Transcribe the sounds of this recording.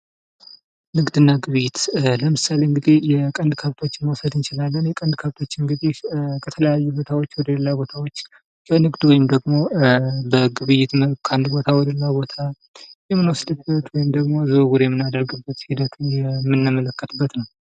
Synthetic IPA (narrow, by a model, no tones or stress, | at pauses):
nɨɡd̪ɨnːaɡɨβɨjɪt̪ləmɨsale̞ɨŋɡɨd̪ejɛkʼənd̪kʰəβt̪ʰo̞t͡ʃːnməwsəd̪ɨnt͡ʃɪlalːənjɛkʼənd̪kʰəβt̪ʰo̞t͡ʃːɨŋɡɨd̪ehkʰət̪ʰələjajːubo̞t̪ʰawo̞t͡ʃːwɔd̪ələlːabo̞t̪ʰawo̞t͡ʃː | kʰənɨɡd̪wɔjɪmd̪əɡmo̞bəɡɨβɨjɪt̪əkʰand̪bo̞t̪ʰawɔd̪əlːabo̞t̪ʰa | jɛmːɨnwɔsd̪ɨbːət̪wɔjɪmd̪əɡmo̞zəɡuɾjɛmːɨnad̪əɾɡɨbːət̪hid̪ət̪ʰujɛmːɨnːɨmələkːət̪ʰɨbːət̪nəw